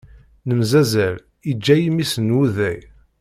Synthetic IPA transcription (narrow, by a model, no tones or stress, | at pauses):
nəmzæzæl | id͡ʒːæjimisnwuðæj